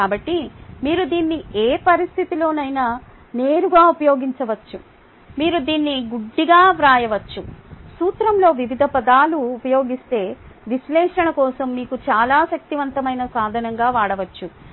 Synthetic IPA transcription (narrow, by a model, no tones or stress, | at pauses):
kaːbɐʈːimiːɾud̪iːnːieːpɐɾist̪ʰit̪ilo̞ːnɐjnɐ | neːɾuɡaːupɐjo̞ːɡiɲt͡ʃɐʋɐt͡ʃːu | miːɾud̪iːnːiɡuɖːiɡaːʋɾaːjɐʋɐt͡ʃːusuːt̪ɾɐmlo̞ːʋiʋid̪ʱɐpɐd̪aːluːpɐjo̞ːɡist̪e̞ː | ʋiʃlɛːʂɐɳɐkɔːsɐmːiːkut͡ʃaːlaːʃɐk̚t̪iʋɐnt̪ɐmɐjnɐsaːd̪ʱɐnɐŋɡaːʋaːɽɐʋɐt͡ʃːu